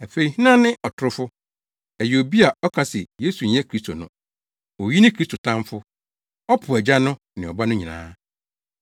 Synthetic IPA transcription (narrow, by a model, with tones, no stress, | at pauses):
æ˨fe˨i˨hĩ˦nã˦nɪ̃˦ʔɔ˨tʰʊ˨ɾʊ˦fʊ˦ | æ˨jo˨bi˦a˨ɔ˦kʰa˨sɛ˨je˦su˨ɲ̩˨˦ɛ̃˦kʰɾi˦stʰo˨nʊ̃˦ | o˨ji˦nɪ̃˦kʰɾi˦stʰo˨tʰã˦mfʊ˦ | ɔ˦pʰʊ˨æ˨d͡ʑa˦nʊ̃˦ | nɪ̃˨ɔ˨ba˦nʊ̃˦ɲĩ˨nã̰ː˦